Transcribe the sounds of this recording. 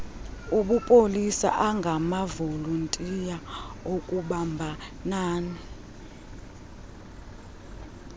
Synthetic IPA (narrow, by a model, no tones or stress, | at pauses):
uɓupʼolisa̰ʔaŋɡʱamavoluntʼijaokʼuɓambʱanaːni